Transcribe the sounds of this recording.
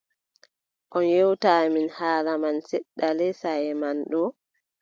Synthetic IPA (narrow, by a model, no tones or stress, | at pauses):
ʔɔnjewtaminhaːlamansɛɗːalɛsajɛmanɗɔ